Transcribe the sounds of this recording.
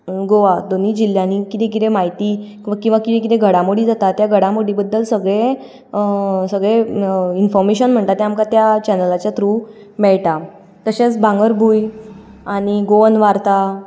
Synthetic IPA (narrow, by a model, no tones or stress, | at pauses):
ɡoʋad̪onid͡ʑil̤janikit̪ẽk̬it̪ẽmaɦit̪iː | kĩw̃ʋakit̪ẽk̬it̪ẽɡʱəɽãmoɽid͡zat̪at̪jaɡʱəɽãmoɽibəd̪ːəlsəɡɭe | səɡɭeinfɔɾmeɕənm̤əɳt̪at̪eamkat̪jat͡ɕɛnəlat͡ɕjat̪ɾu | mɛɭʈa | t̪əɕet͡sbʱãŋɡəɾbʱuj | aɽ̃iɡoənʋaɾt̪a